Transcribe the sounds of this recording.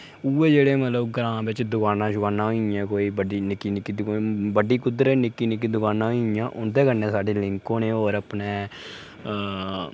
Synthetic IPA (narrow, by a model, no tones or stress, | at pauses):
uːeːd͡ʒeːɽeːmət̪ləbɡɾãːbɪt͡ʃd̪ʊkaːnãːʃʊkaːnãːɦoãːkoːiːbəɖiːnɪkːiːnɪkːiːd̪kbəɖiːkʊd̪əɾɛnɪkːiːnɪk̬ːiːd̪ʊkaːnãːɦoɪjãːʔʊnd̪eːkəɾnẽːsaːɖeːlɪŋkõːneːoːɾəpneː